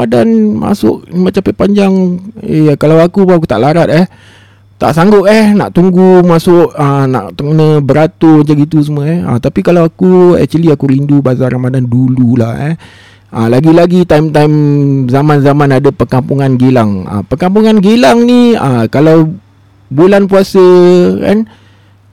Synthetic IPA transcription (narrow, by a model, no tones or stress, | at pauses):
adanma̰sʊ̰ʔ̚mə̃t͡ʃapəpaɲd͡ʒaŋḛkalawakupak̬ut̪a̰ʔlaɾat̪̚ɛh | t̪a̰ʔsaŋɡʊt̪̚ɛhna̰ʔt̪uŋɡumasʊʔəna̰ʔt̪əkənə̃bəɾat̪ʊmat͡ʃaɡit̪̬us̬əmwəɛhə̰t̪apikalawakuɛ̰ʔt͡ʃəliakuɾindubasaɾamadandulula̰hɛ̰h | ʔəlaɡilaɡit̪aimt̪ajmzamãnzamãnadapərkampuŋanɡelaŋə̰pərkampuŋanɡelaŋniəkalaw | bulanpuasəka̰n